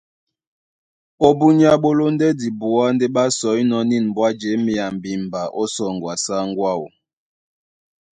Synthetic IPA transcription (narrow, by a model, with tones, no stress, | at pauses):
o˦bu˦ɲ˦a˦ɓo˦lo˦n˦dɛ˦di˨bu˨a˦ndɛ˦ɓa˦sɔ˨˦i˦nɔ˦ni˦˨n˨bwa˦d͡ʒe˨˦mi˨a˨m˨bi˨mba˨ʔɔ˦sɔ˨ŋɡwa˨sa˦ŋ˦ɡwa˦˨ṵ˨